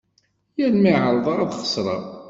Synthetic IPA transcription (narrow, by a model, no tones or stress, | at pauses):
jælmiʕəɾˤðˤɑɾˤɑðχə̥sˤɾˤɑ̰